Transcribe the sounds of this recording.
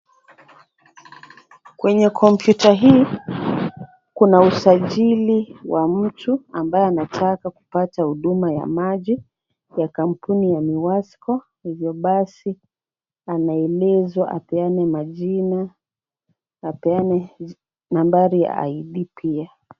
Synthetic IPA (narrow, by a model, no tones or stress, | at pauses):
kwɛɲɛkʰɔmpjutaɦiː | kunausaʄiliwam̩tʰuambajɛanatʰakaku̥patahuɗumaja̰maʄi | jakam̩punijamiwaskɔ | hivjɔɓasi | anaɛlɛzwaʔapɛanɛmaʄina | pɛanɛ | nambaɾija̰a̰iɗipʰia